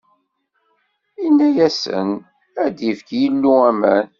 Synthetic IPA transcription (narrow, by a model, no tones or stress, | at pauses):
inːæjæsə̰n | æd̪ifkjəlːuæmæn